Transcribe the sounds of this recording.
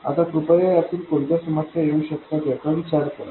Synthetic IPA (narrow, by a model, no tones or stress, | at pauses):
a̰t̪apɾupəjajat̪iːlkont̪jasəmat̪ʰjaeũɕək̪ːʰak̪ɛk̪aʋit͡ɕaɾkəɾa̰